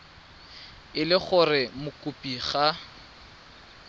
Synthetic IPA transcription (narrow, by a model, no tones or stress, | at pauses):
ɪlɪχʊrɪmʊkʼʊpʼiχa